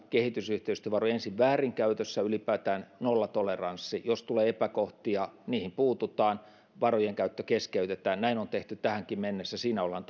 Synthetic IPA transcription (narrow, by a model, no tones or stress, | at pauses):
kehit̪ysyht̪eyst̪øʋɑroiensiʋʋæːriŋkæyt̪øsːæylipæːt̪æːnnolːɑt̪olerɑnsːijost̪uleːepækoht̪iɑniːhimpuːt̪ut̪ˑɑːn | ʋɑrojeŋkæyt̪ːøkeskeyt̪et̪æːnnæinont̪eht̪yt̪æhæŋkimmenːesːæsiːnæolhɑn